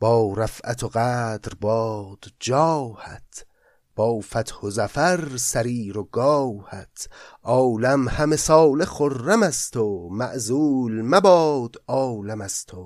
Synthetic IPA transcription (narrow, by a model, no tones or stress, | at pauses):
b̥ɒːɾæfʔæt̪ʰoɣæːd̪ɾbɒːd̪̥d͡ʒɒːhæ̰t̪ʰ | b̥ɒːfæt̪hozæfæɾsæɾiːɾoɡɒːhæt̪ʰʔɒːlæmhæmesɒːleχoɾːæmæst̪ʰomæʔzuːlmæbɒːd̪̥ɒːlæmæst̪ʰo